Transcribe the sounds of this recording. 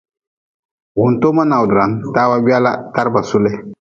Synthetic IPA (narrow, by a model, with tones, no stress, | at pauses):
wu˨nto˦ma˦na˨wdɾa˨ntaː˦wa˦ɡ͡bi˦a˦la˦ta˦ɾba˨su˦lɛ˦